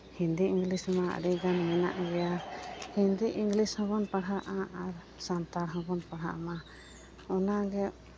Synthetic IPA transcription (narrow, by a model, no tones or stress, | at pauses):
hind̪iiŋɡlisma̰ɖiɡanmina̰ʔɡɛjaɾhind̪iʔiŋɡlishɔ̃bɔnpaɽaʔaʔaɾ | sant̪aɽɦɔ̃bɔnpaɽ̤a̰ʔma | ɔnaɡɛ